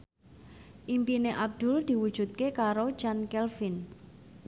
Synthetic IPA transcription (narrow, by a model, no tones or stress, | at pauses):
ʔimpineʔab̚d̪̥ʊ̤ld̪̥i̤wud̥ʒ̥ṳt̪̚kekaɾo̥d͡ʒankɛlfin